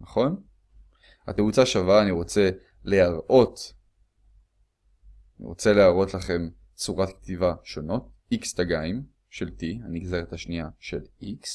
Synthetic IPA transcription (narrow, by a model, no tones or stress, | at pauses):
naχo̞n | ha̰teut͡saʃavaːniʁo̞t͡se̞ | le̞aʁo̞t | anḭʁo̞t͡se̞le̞aʁo̞tlaχe̞m | t͡suʁatkt̪ivaʃo̞no̞t̚ikstaɡaim | ʃe̞ltianiɡzeʁethaʃniaʃe̞liks